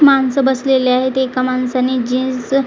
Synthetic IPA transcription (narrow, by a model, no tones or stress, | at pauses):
mansəbəsleleaɦet̪ekamansanid͡ʑĩs